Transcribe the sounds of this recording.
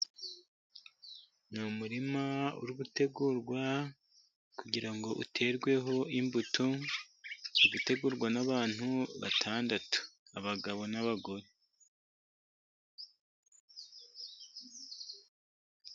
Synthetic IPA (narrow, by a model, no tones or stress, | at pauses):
numuɾimaṵɾiɡute̞ɡuɾɡwa | kuɟiɾaŋɡo̞ʔutʰe̞ɾɡwe̞ɦo̞imbutu | uɡute̞ɡuɾɡwanaβaːn̥huβa̰tʰaːndatu̥aβaɡaβo̞naβaɡo̞ɾe̞